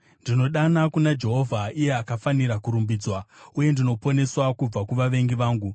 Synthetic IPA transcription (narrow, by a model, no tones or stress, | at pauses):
ndino̞ɗanakunad͡ʒe̞ɦo̞vʱaije̞akafaniɾakuɾumbiːd͡zwauje̞ndino̞po̞ne̞swakub͡vakuʋaʋe̞ŋɡiʋaːŋɡu